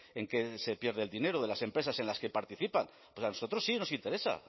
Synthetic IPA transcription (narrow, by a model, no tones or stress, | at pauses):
e̞ŋke̞se̞pje̞ɾðeld̪ine̞ɾoðe̞lase̞mpɾe̞sase̞nlaske̞paɾt̪iθipan | pwo̞sano̞so̞t̪ɾo̞sːino̞sint̪e̞ɾe̞sa̰